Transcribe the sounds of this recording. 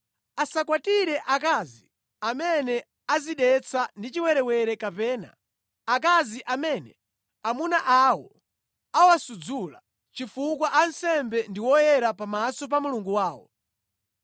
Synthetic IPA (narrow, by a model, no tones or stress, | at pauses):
asakwatiɾɛʔakazi | amɛnɛ | aziɗɛt͡sʰandit͡ʃiwɛɾɛwɛɾɛkapɛːna̰ | ak̬aziʔamɛːnɛ | amunaʔawɔ | awasud͡zula | t͡ʃifukwaʔansɛmbɛndiwɔjɛɾapamasɔp̬amuluŋɡuwaːwɔ̰